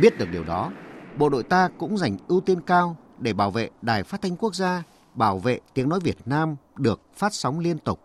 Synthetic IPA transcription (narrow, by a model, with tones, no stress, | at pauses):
ɓi˦˥t̚ɗɨ˨˩ək̚ɗi˨˩əwɗɔ˨˦ɓo̰˧˨ɗo̰˧˨jt̪aː˧kʊ̰˧˥ŋ͡mza˨˧˩jŋ̟ʔɨ˧wt̪i˧nkaː˧w | ɗe˧˩ɓaː˧˩wvḛ˧˨ɗaː˨˩jfaː˦˥t̚t̪ʰa˧jŋ̟ku˦˥ək̚zaː˧ | ɓaː˧˩wvḛ˧˨t̪i˨˦əŋnɔ˨˦jvi˨˩ət̚naː˧mɗɨ˨˩ək̚faː˦˥t̚sa˨˦wŋ͡mli˧ənt̪ʊ˨˩k͡p̚